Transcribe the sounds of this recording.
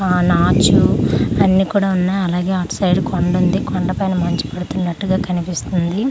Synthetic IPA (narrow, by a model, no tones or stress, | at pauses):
aːnaːt͡ʃuɐnːiːkuːɽaːunːaːɐlaːɡe̞ːaʈsɐjɖkoɳɖund̪ikoɳɖɐpɐjnɐmɐɲt͡ʃi̥pɐɽut̪unːɐʈːuɡaːkɐnipist̪und̪i